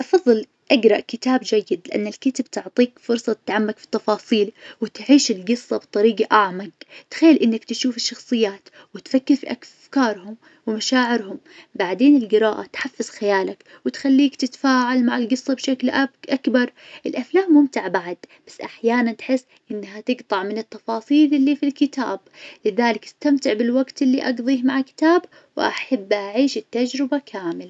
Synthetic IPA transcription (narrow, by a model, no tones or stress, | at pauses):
ʔɑfɑðˤːɨl | ʔaɡɾˤɑʔkɪt̪aːbd͡ʒajːɪd̪lɪʔa̰nːalkɪt̪abt̪ʊʕt̪ˤiːkfʊɾsˤɑt̪ɪ̥t̪ʕamːakfi̥t̪ːɑfɑːsˤiːlwɪt̪ʕiːʃɪlɡɨsˤːɑbt̪ˤɑɾiːɡaʔaʕmaɡt̪xajːlʔɪnːakt̪ʃuːfɪʃːɑxsˤɨjːaːt̪ | wɪt̪fakːɪɾfḭʔa | kɑːɾˤhʊm | wɪmaʃaːʕɪɾɦʊm | baʕd̪eːnɪlɡɪɾɑːʔat̪ħafːaz̥xajaːlak | wɪt̪xalːiːkt̪ɪt̪ḁfaːʕalmaʕɪlɡɨsˤːɑbʃaklʔʔakbɑɾˤʔɪlʔaflaːmːʊmt̪ɪʕbaʕd̪b̥ḁsːʔaħjaːnant̪ħɪsːʔɪnːhat̪ɪɡt̪ˤɑʕmɪnɪt̪ːɑfɑːsˤiːlʔɪlːifilkɪt̪a̰ːblɪðaːlɪkɪst̪amt̪ɪʕbɪlwaɡt̪ɪlːiʔɑɡðˤiːhmaʕkɪ̥t̪aːb | wʔa̰ħabːʔaʕiːʃɪt̪ːad͡ʒɾɪbakʰaːmɪl